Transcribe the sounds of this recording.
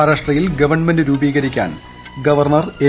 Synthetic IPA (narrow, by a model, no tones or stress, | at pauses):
ɾaːʂʈrɐjilɡɐʋɐrɳmendɨɾuːbiːɡɐɾikʲːa̰ːn | ɡɐʋɐrɳɐre